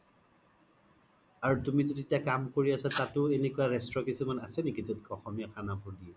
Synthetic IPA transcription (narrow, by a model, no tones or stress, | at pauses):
aɹutumizoditiakamkoɹiasatatʊenekuwaɹɛstɹɔkisumanasɛnikizɔdkɔxɔmiakʰanapuɹdiɔ